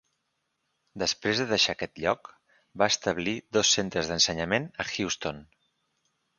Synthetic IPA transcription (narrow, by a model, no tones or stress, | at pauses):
d̪əspɾezðəðəʃakɛt̪ʎɔk | baəst̪əβliðɔsːent̪ɾəzðənsəɲəmenəxiwst̪on